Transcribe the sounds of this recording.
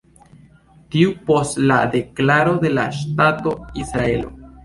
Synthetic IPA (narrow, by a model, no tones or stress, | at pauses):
tiupo̞stlade̞klaɾo̞de̞la̰ʃtato̞isɾae̞lo̞̰